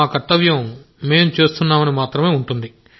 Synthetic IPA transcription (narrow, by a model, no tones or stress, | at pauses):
aːkɐt̪ːɐʋjɐm | me̞ːmt͡ʃeːst̪unːaːmɐnimaːt̪ɾɐme̞ːuɳʈund̪i